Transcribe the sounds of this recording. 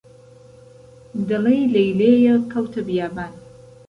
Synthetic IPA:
d̪ɨlejlɐjleːjɐkʰɐwt̪ʰɐbijaːbaːn

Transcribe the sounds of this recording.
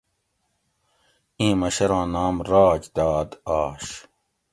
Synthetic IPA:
ĩːmɐɕɐɾãːnaːmɾaːd͡ʑd̪aːd̪aːɕ

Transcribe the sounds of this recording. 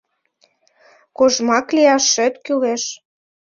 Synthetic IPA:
koʒmɑkliɑʃːɘ̆t̪kyleʃ

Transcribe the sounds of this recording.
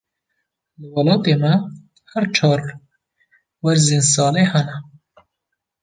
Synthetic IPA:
lɨwɐlɑːt̪eːmɛ | hæɾt͡ʃʰɑːɾ | wæɾzinsɑːlehɛnɛ

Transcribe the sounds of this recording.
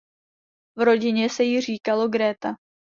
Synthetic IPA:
vɾo̞ɟɪɲɛsɛjɪr̝iːkalo̞ɡɾɛːt̪a

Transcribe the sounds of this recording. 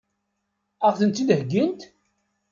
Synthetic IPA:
æʁθənt̪id̪hɡːənt̪

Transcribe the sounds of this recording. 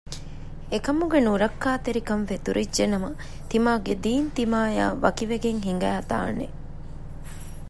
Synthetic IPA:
ekɐmuɡenuɾɐkːaːt̪eɾikɐnfet̪uɾʔid͡ʒʒenɐmɐ | t̪imaːɡed̪iːnt̪imaːja̰ːʋɐkiʋeɡeŋɦiŋ̆ɡæːɐt̪a̰ːnːḛ

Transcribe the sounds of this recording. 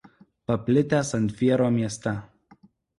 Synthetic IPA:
pɐpʲlʲɪt̪ʲæsɐnʲt̪ʲfʲiɛɾoːmʲiɛst̪ʲɐ

